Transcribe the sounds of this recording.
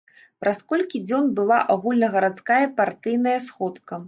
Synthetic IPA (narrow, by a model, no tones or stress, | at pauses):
pɾʔaskɔlʲkʲid͡zʲɔnbɨlˠaʔaɣulʲnɐɣɐɾat̪skajɐpart̪ɨjnɐjɐsxɔt̪kɐ